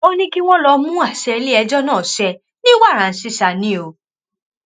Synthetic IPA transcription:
o˦nĩ˦ki˦w̃ɔ̃˦lɔ˧mũ˦a˦˨sɛ˧le˦ɛ˧d͡ʒɔ˦nãː˦˨sɛ˧ | nĩ˦wa˦˨ɾa˨n̩˨˦si˦sa˨nĩ˨˦o˧

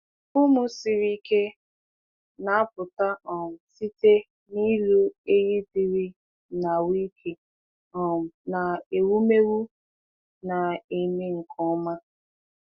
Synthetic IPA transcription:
ʊ˦mʊ˦si˨ɾi˦ke˦ | na˨a˦pʊ˨ta˦ɔ˨si˦te˦ | ni˦lu˦e˦ɣi˦di˨ɾi˦ | na˨wi˦kʰe˨ | ɔ˨na˨e˨wu˦me˦wu˦ | na˨e˨me˦ŋ̩˨kʰɔ˦ma˦

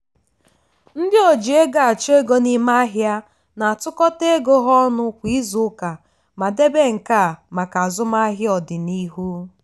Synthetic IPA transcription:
n̩˦dɪ˦o˨d͡ʒi˨e˦ɡa˨a˨t͡ʃe˦ɡo˦ni˦ma˦ɦja˦ | na˨a˨tʊ˦kɔ˦te˦ɡo˦ɦɔ˦nʊ˦kʷi˦zʊ˦ka˨ | ma˨de˦be˦ŋ̩˨ka˦˨ma˨ka˨zʊ˦ma˦ɦɪ˦ɔ˨dɪ˨ni˦ɦu˦

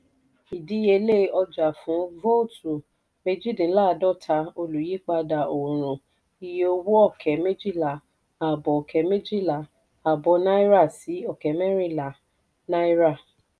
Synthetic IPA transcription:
i˨di˨˦e˧le˦˨ɔ˧d͡ʒa˨fũ˨˦vo˦tu˨ | me˦˧d͡ʒi˦dĩ˨˦la˦˨˧dɔ˦˨tʰa˧˦o˧lu˨je˨˦k͡pa˧da˨o˨ɾ̃ũ˨ | i˨je˧o˧wu˦ɔ˦˨kʰɛ˨me˦d͡ʒi˦˨la˨ | a˨bɔ˨ɔ˨kʰɛ˨˦me˦d͡ʒi˦˨la˨ | a˨bɔ˨˧˦na˦i˦ɾa˦˨si˨˦ɔ˦˨kɛ˨˦mɛ˦ɾĩ˦˨la˨ | nã˦i˦ɾa˦˨

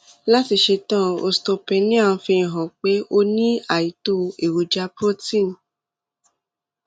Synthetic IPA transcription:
la˦ti˧ʃe˧tã˦o̰˧sto˧pe˧nĩ˦a˦˨wũ˧fĩ˧˨ɦã˨k͡pe˨˦o˧nĩ˦a˨ji˨˦to˦e˨wo˨d͡ʒa˧pɾo˦tĩ˦˨n˨

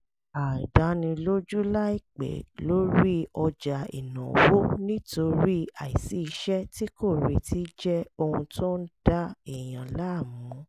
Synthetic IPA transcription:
a˨da˨˦nĩ˧lo˦d͡ʒu˦la˦i˦˨k͡pḛ˨lo˨˦ɾi˦ɔ˧d͡ʒa˨ḭ˨nã˨wo˦nĩ˦to˧ɾi˦a˨i˨si˨˦i˧ʃɛ˦ti˦ko˦˨ɾi˨ti˦d͡ʒɛ˦o˧hũ˧to˦n̩˦d̥a˦i˦˨j̃ã˨la˦˨mũ˨˦

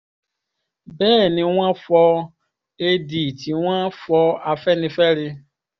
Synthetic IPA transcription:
bɛː˦˨nɪ̃˨˦ŋʷã˦fɔ˧ | e˦di˨ti˨ŋʷã˦fɔ˧a˨fɛ˦nɪ̃˦fɛ˦ɾɪ˧

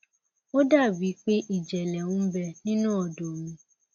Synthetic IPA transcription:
o˦da˦˨bi˨˦k͡pe˦ʔi˦˨d͡ʒɛ˨lɛ˨wũ˦bɛ˧nĩ˦nũ˦ɔ˨do˨mĩ˧

